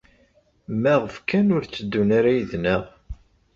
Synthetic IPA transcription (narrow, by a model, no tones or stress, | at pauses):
mæʁəfkænʊɾt͡sːəd̪ːunaɾajəðnəʁ